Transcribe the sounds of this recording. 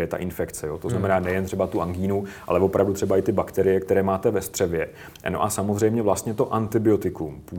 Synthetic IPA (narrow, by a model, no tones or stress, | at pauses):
jɛt̪a̰ʔɪnfɛkt͡sɛjot̪oznamɛnaːnɛjɛnt̪r̝̥ɛbat̪uʔaŋɡiːnuʔa̰lɛvo̞pɾʔavdut̪r̥ɛbaɪt̪ɪbakt̪ɛɾɪjɛkt̪ɛɾɛːmaːt̪ɛvɛst̪r̥ɛvjɛ | no̞̰ʔasamozrɛjmɲɛvlast̪ɲɛt̪o̞ʔant̪ɪbɪo̞t̪ɪkumpu